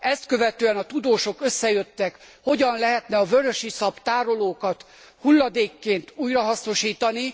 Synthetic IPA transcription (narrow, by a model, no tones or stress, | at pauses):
ɛst̪̚kø̞vɛt̪øːɛnɒt̪ud̪oːʃo̞køsːɛjø̞t̪ːɛkho̞ɟɒnlɛɦɛt̪nɛɒvøɾøʃisɒpt̪aːɾo̞loːkɒt̪ | hulːɒd̪eːkːeːnt̪uːjrɒɦɒsno̞ʃiːt̪ɒni